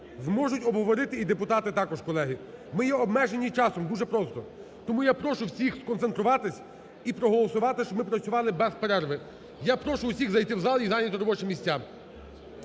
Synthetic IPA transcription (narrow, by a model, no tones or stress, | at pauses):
zmɔʒʊtʲɔbɦɔʋɔɾɪt̪ɪid̪epʊt̪ɑt̪ɪt̪ɑkɔʃkɔlˠɛɦimɪjɛɔbmɛʒe̞nʲːit͡ʃɑsɔmd̪uʒɛpɾɔst̪ɔ | t̪ɔmujapɾɔʃʊwsʲixskɔnt̪sent̪ɾʊʋɑt̪ɪsʲ | ipɾɔɦɔlˠɔsʊʋɑt̪ɪʃt͡ʃɔmɪpɾɐt͡sʲʊʋɑlˠɪbɛzpeɾɛrʋɪ | japɾɔʃʊwsʲiɣzɐjt̪ɪwzɑlˠʲizɑnʲɐt̪ɔɾɔbɔt͡ʃɪmʲisʲtʲːa